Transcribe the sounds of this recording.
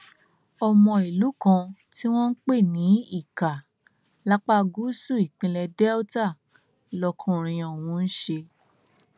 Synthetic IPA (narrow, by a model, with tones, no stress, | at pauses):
ɔ˧mɔ̃˧i˨lu˨˦kã˧ti˦w̃ɔ̃˦n̩˦k͡pe˦˨nĩ˨˦i˦˨ka˨ | la˦k͡pa˦ɡu˦su˦˨i˨k͡pĩ˧lɛ˧dɛ˦o˦ta˦˨ | lɔ˧kʰũ˦ɾ̃ĩ˧ɔ̃˨w̃ũ˧n̩˦ʃe˧